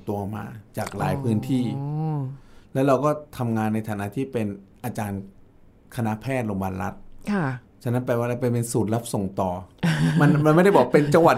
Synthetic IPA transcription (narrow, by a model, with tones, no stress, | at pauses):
t̪u˧˨˩ma̰ː˧t͡ɕaː˨˩k̚la̰ː˩˦jpʰɯː˦˥nt̪ʰiː˥˩ | lɛ˦˥wɾa˧wkɔː˥˩t̪ʰa˧mŋaː˧nː˧jt̪ʰaː˩˦na̰˦˧˥t̪ʰiː˥˩pe˧nʔaː˧t͡ɕaː˧n | kʰa˧na˦˥ʔpʰɛː˥˩t̪̚loː˧mbaː˧nɾa˦˥t̪̚kʰa˥˩ | t͡ɕʰa˥˩nːa˦˥npɛː˧waː˥˩la˧˩pa˧pe˧nsuː˨˩t̪̚la˦˥p̚so˨˩ŋt̪ɔː˨˩ma˧nma˧nm˥˩jda˥˩jbɔ˨˩a˥pe˧nt͡ɕa˧ŋwa˨˩